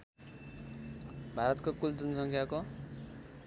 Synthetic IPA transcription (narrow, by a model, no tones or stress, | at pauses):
bʱaɾʌt̪kokuld͡zʌnʌsʌŋkʰjako